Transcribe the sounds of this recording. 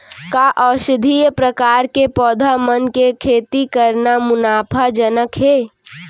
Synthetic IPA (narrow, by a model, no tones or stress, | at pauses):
kaʔɔːʃɪd̪ʱijəpɾəkaːɾkepɔːd̪ʱamənkekʰeːt̪ikəɾnamʊnaːpʰad͡ʒənəkɦeː